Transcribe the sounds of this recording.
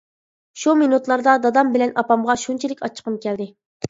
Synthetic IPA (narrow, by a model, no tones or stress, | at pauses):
ʃuminut̪lˠɑɾd̪ɑd̪ɑd̪ɑmbɪlɛnʔɑpɑmʁɑʃunt͡ʃʰilɪkʲɑ̰t͡ʃʰːə̥qʰəmkʲɛld̪ɪ